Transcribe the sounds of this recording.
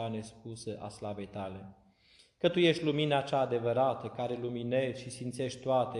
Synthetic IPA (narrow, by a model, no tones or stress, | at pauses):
anespusəʔa̰slave̞jt̪ale̞ | kət̪uje̞ʃt̪ʲluminəːt͡ʃaːd̪e̞vəɾat̪əkaɾe̞lumine̞ʃʲʃisint̪se̞ʃʲt̪oat̪e